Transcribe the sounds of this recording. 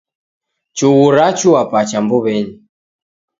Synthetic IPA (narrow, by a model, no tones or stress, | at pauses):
t͡ʃuwɣuɾat͡ʃuwapat͡ʃambuβɛɲi